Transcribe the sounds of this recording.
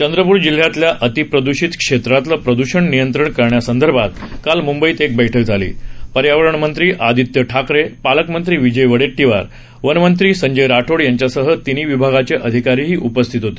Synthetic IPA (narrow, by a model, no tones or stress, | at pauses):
t͡ɕənd̪ɾəpuːɾd͡ʑil̤ːjat̪ljaʔət̪ipɾəd̪uɕit̪kʂet̪ɾat̪lapɾəd̪uɕəɳnijənt̪ɾəɳkəɾɳjasənd̪ʱəɾbʱat̪kalmumbəiːt̪ek̚bəjʈʰək̚d͡zʱalḭːpəɾjaʋəɾəɳmənt̪ɾiːʔad̪it̪jəʈʰakɾepaləkmənt̪ɾiːʋid͡ʑəjʋəɽeʈːiʋa̰ɾ | ʋənmənt̪ɾiːsəɲd͡ʑəjɾaʈʰoɽjaɲt͡ɕjasəɦət̪iniːʋibʱaɡat͡ɕeʔəd̪ʱikaɾiːɦiːʔupəst̪ʰit̪ɦot̪ei̥